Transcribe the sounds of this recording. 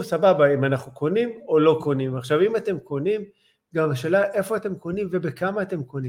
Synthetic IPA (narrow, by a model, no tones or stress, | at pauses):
sababaimanaχnukonimo̞lo̞ko̞nimaχʃavimate̞mko̞nim | ɡamaʃe̞ːlaʔe̞fo̞ate̞mko̞nimve̞bekamaːte̞mkoni